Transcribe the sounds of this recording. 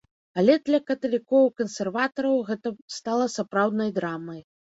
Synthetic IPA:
alʲɛd̪lʲɐkɐt̪ɐlʲikɔwkɐnsʲɛrvat̪ɐɾɐwɣɛt̪ɐst̪alˠɐsapɾawd̪nɐjd̪ɾamɐj

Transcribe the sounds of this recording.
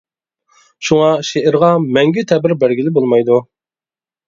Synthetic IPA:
ʃuŋɑʃeʔɪɾʁɑmɛŋɡʲit̪ʰɛbɪɾbæɾɡʲilɪbolˠmɑjd̪u

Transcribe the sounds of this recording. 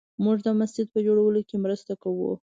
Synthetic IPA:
muʐd̪əmasd͡ʒɪd̪̚pəd͡ʒoɽawəlokemɾəst̪akawṵ

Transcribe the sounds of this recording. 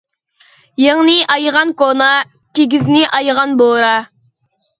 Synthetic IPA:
jeŋnɪʔɑjʁɑnkonɑ | k̪ʲʰeɡʲiznɪʔɑjʁɑnboɾɑ

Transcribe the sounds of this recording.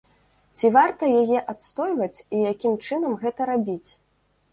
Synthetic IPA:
t͡sʲivart̪ɐjajɛʔat̪st̪ɔjvɐt͡sʲijakʲimt͡ʂɨnɐmɣɛt̪ɐɾabʲit͡sʲ

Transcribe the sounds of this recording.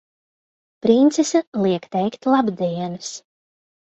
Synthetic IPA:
pɾint̪sɛsɛlˠiɛkt̪ɛjkt̪ʲlˠabd̪iɛnɨs

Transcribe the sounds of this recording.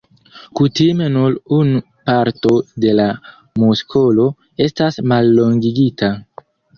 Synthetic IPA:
kutime̞nuɾun | paɾto̞de̞la | muskʰo̞lo̞ | e̞stasmalːo̞ŋɡiɡita

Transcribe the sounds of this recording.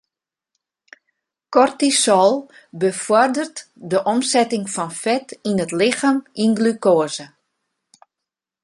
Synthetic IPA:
kɔrtisɔlˠ | bəfɔrdərtdəʔɔmsɛtɪŋfɔnfɛtinətlɪxaminɡlykoəzə

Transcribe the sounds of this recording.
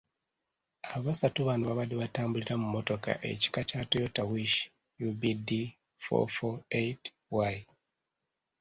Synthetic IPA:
aβasatuβanuβaβaliβataːmbuliɾamumo̞to̞ka̰ʔḛci̥kacatojotawiʃi̥ | jubidi | fo̰foejt | waj

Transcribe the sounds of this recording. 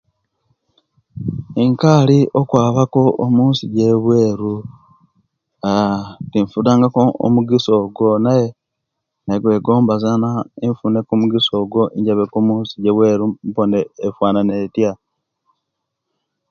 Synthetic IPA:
eŋkaliokwaːβako̞omuːnsiɟeβwe̞ːɾu | atiɱfudaːŋɡakoo̰muɡiso̞ɡwo̞naje | neɡwe̞ːɡo̞ːmbazanaeɱfunekumuɡiso̞ːɡo̞ʔiɲɟaβekomuːnsiɟeβwe̞ːɾumponeːfwaːnanetja

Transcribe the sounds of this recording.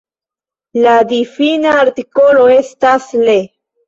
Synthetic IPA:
lad̪ifinaːɾt̪ikoloest̪asle

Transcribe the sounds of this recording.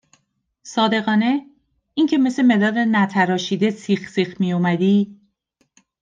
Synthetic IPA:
sɒːd̪e̞ɣɒːne̞ | iŋcʰe̞me̞seme̞d̪ɒːd̪enæt̪ʰæɾɒːʃiːd̪e̞sixsixmijomæd̪iː

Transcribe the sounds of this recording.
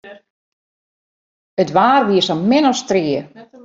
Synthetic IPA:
ətʋaːrʋiəsɔmɪnɔstriə

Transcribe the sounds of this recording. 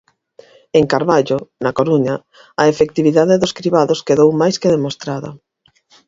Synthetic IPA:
eŋkaɾβaʎonɐkoɾuɲa | ɐefek̚t̪iβiðaðeðʊskɾiβaðoskeðowmajskeðemost̪ɾaðɐ̰

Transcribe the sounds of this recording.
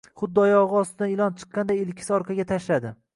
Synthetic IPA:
χʊd̪ːɒjɒʁɨɒst̪ɪd̪anɪlˠɒnt͡ʃʰɨ̥qːɑnd̪ajɪlkʲʰɪ̥sɪɒɾqʰɑɡʲat̪ʰaʃlad̪ɪ

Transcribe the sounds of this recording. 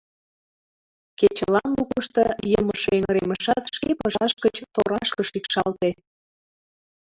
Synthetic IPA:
ket͡ɕəlɑnlukəʃt̪ɤjəməʃeŋɾeməʃɑt̪ʃkepəʃɑʃkət͡ɕt̪oɾɑʃkəʃikʃɑlt̪e

